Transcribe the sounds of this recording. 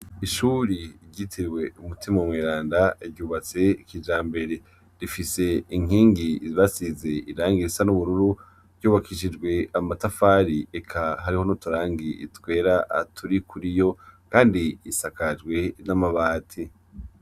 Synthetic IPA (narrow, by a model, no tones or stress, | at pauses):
iʃuɾiɾɟitʰiɾwe̞umutʰimawmŋeːɾaːndaiɾɟuːβat͡se̞ikid͡ʒaːmbe̞ɾe̞ | ɾifise̞iŋ̥iːŋɡiβasizeiɾaːŋɡiɾisanuβuɾuɾu | ɾɟuːβakʰiʃ̬id͡ʒɡwe̞amatafaːɾiekʰaɦaɾiho̞notuɾaːŋɡiḭtwe̞ːɾaʔa̰tʰuɾikʰuɾijo̞kaːndiisakad͡ʒɡwe̞namaβaːtʰi